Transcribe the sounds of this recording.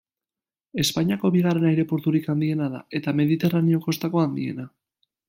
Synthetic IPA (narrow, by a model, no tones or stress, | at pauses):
e̞spaɲiako̞βiɣare̞najɾe̞po̞ɾt̪uɾikand̪ie̞naða̰e̞t̪ame̞ðit̪e̞ranio̞ko̞st̪ako̞and̪ḭe̞̰na